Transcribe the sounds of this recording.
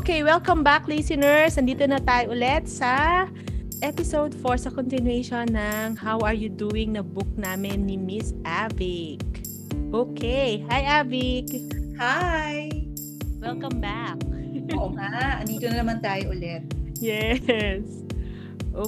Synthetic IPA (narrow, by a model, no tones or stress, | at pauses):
ʔokejwɛlkɐmbaklisɪnɛɹsɐnd̪iːt̪onɐt̪aːjoʔʊlɛt̪̚sɐ | ʔɛpɪsowd̪foɹsɐkɔnt̪ɪnwejʃonːɐŋhawɐɹjud̪uːɪŋnɐbʊk̚naːmɪnːɪmɪsʔavɪk̚ | ʔoːkʰɛjhajʔaːvɪkhaj | wɛlkɐ̃mbak̚oŋaʔɐnd̪iːt̪onɐnɐmant̪aːjoʔʊlɛt̪̚jɛs | ʔo